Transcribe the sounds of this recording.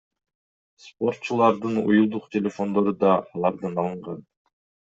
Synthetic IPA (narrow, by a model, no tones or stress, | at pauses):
spo̞rt̪̚t͡ʃulˠɑɾd̪ɯnṵjulˠd̪uqt̪ʲʰelʲe̞fo̞nd̪o̞ɾud̪ɑːlˠɑɾd̪ɯnɑlˠɯɴʁɑn